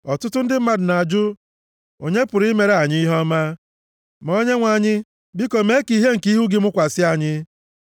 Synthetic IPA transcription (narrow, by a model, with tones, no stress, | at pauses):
ɔ˨tʊ˦tʊ˦n̩˦dɪ˦m̩˦ma˨dʊ˨na˨a˨d͡ʒʊ˦ | o̰˨ɲe˦pʊ˨ɾi˦me˨ɾe˨a˨ɲɪ˦i˦ɦɔ˦ma˦ | mo˦ɲe˦ŋʷa˨ɲɪ˦ | bi˦ko˨me˦ki˦˨ɦe˦ŋ̩˨ki˦ɦu˦ɡɪ˦mʊ˦kʷa˨sɪ˦a˦˨ɲɪ˦